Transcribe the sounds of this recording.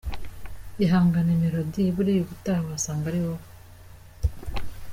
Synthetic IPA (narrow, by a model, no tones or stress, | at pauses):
iɦaːŋɡanemiɾodiβuɾiːjuβutaβaasaːŋɡaɾiwoko